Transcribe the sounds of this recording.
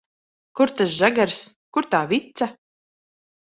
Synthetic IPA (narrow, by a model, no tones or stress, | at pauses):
kuɾt̪as̬ʒaɡaɾskuɾt̪aːvit̪sa